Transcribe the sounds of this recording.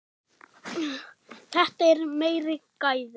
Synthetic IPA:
θɛht̪aɛɾmeːjɾɪkajðɪ

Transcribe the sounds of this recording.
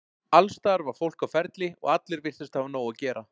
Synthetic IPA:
alst̪aɾvaɾ̥fowl̥kawfɛɾt̪lɪɔ̰ɣat̪lɪɾvɪr̥t̪ɪst̪havanoːwacɛːɾʔa

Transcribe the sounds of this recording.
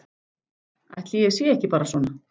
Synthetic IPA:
a̰jht̪liɛsjɛɛhcɪpaːɾasɔːna

